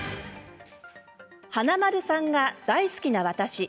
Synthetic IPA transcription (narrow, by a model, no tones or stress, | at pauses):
hanamaɾɯ̟sãŋɡad̪̥aisɨ̥kʲinaβat̪aɕi